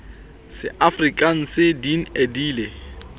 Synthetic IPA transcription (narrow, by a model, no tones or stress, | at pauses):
sɪʔafrikʼan̩sɪdin̩ediːle